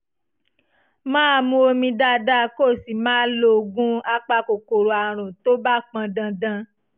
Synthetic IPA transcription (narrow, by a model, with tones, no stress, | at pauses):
mãː˦˧˦mũ˧˦o˧mĩ˧da˦da˦ko˦˨si˨mãː˦lo˦˧ɡũ˦a˧k͡pa˧ko˨ko˨ɾo˨a˨ɾ̃ũ˨to˦ba˦k͡pã˧dã˧dã˧